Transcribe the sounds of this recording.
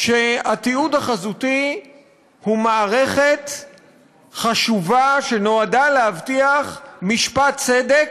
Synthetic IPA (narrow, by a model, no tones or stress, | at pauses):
ʃeat̪iudaχazuti | humaːʁe̞χe̞t | χaʃuvaʃe̞no̞adaleavtiaχmiʃpat̪t͡sede̞k